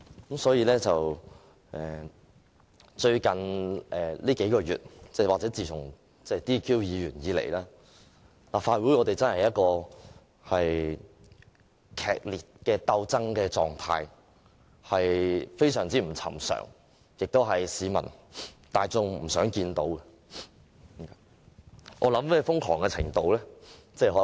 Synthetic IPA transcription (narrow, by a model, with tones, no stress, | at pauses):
kɐ˨˥msɔː˨˥jiː˧lɛː˥t͡sɐ˨w | ʔɛː˨˩ | t͡ʃɵ˧ɥkɐ˨˩nʔɛː˨˩liː˥ke˨˥jkɔː˧jyː˨t̚t͡sɛː˥˩waː˨˩t͡sɛː˨˥t͡siː˨t̪ʰʊ˨˩ŋ | t͡sɛ˥t̪iː˥kʰiː˥wjiː˨˧jyː˨˩njiː˨˧lḛ˨˩jlaː˥ | laː˨˩faː˧t̚wu˨˥jŋɔː˨˧t̪e˨jt͡sɐ˥nhjɐ˥t̚kɔː˧ | hɐ˨j | kʰɛ̰ː˨k̚liː˨t̚kɛː˧t̪ɐ˧wt͡sɐ˥ŋkɛː˧t͡sɔ̰ː˨ŋt̪ʰaː˧j | hɐ˨jfe˥jsœː˨˩ŋt͡siː˥m̩˨˩t͡sʰɐ̰˨˩msœ̰ː˨˩ŋ | jɪ˨k̚t̪o˥wɦɐ˨jsiː˨˧mɐ̰˨˩nt̪aː˨jt͡sʊ˧ŋm̩˨˩sœː˨˥ŋkiː˧nt̪o̰˨˥wkɛ˧ | ʔɔː˨˧lɐ˨˥mmɛː˥fʊ˥ŋkʰɔː˨˩ŋkɛː˧t͡sʰɪ̰˨˩ŋt̪o˨˧wlɛː˥t͡sɛː˥˩ɦɔ˨˥